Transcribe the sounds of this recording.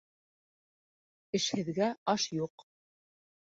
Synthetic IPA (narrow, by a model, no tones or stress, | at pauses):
ɘ̆ʃhɘ̆ðɡæɑʃjuq